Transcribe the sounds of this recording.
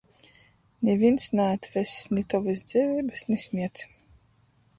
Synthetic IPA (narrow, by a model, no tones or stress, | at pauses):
nʲɛvʲinsnaat̪vʲɛsnʲit̪ɔvɨs̬d̪z̥ʲɛvʲiːbɨsnisʲmʲiɛt̪s